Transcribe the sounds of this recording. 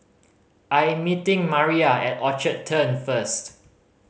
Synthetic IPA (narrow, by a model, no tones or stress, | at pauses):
ʔajmitɪ̃ŋmaɹiaɛtɔt͡ʃətʰːə̃nfəst